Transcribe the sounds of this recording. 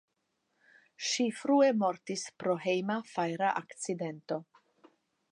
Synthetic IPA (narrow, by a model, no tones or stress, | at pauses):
ʃifɾue̞mo̞ɾtispɾo̞ɦe̞jmafajɾaʔakt͡side̞nto̞